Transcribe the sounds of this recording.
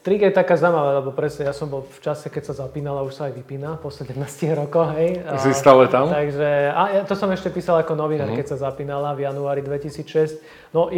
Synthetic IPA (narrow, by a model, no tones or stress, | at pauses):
t̪ɾiɡjɛt̪akaːzamaʋaːlɛbɔpɾɛsɲɛjasɔmbɔlft͡ʃasɛkɛcsazapiːnalauʃsaːjʋipiːnapɔsɛɟɛmnaːsciɣɾɔkɔxɦɛjzist̪alɛt̪amt̪aɡʒɛajat̪ɔsɔmɛʃcɛpiːsalakɔnɔʋinaːɾkɛcsazapiːnalavjanuaːɾid̪ʋɛcisiːt͡sʃɛsc | nɔ